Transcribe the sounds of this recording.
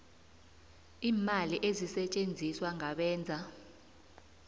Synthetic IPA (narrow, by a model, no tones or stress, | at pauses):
iːmaliʔezisɛt͡ʃʼend͡zʱiswaŋaɓɛːnd͡zʱa